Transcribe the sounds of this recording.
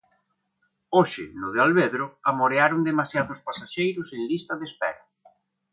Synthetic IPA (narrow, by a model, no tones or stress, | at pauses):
oʃɪ̰nʊð̞ealβeðɾʊamoɾeaɾʊnd̪emasjaðʊspasaʃejɾʊseŋlist̪ɐðespɛ̰ɾɐ